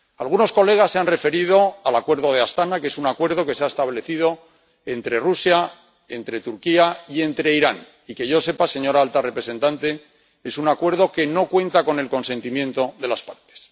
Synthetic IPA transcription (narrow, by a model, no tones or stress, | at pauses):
alɣ̞uno̞sko̞le̞ɣ̞asːeanre̞fe̞ɾið̞o̞alakwe̞ɾðo̞ð̞e̞ast̪anake̞sunakwe̞ɾð̞o̞ke̞seaest̪aβle̞θiðo̞ | e̞nt̪ɾe̞rusja | e̞nt̪ɾe̞t̪uɾkiaie̞nt̪ɾe̞iɾan | ike̞ʝo̞se̞pase̞ɲo̞ɾaalt̪are̞pɾese̞nt̪ant̪e̞ | e̞sunakwe̞ɾðo̞ke̞no̞kwe̞nt̪ako̞ne̞lko̞nse̞nt̪imjẽ̞nt̪o̞ðe̞laspaɾt̪e̥s